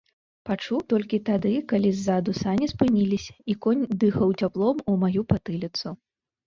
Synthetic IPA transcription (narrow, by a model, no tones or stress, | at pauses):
pat͡ʂuwt̪ɔlʲkʲit̪ad̪ɨkalʲizːad̪usanʲispɨnʲilʲisʲɐikɔnʲd̪ɨxɐwt͡sʲaplˠɔmumajupat̪ɨlʲit̪su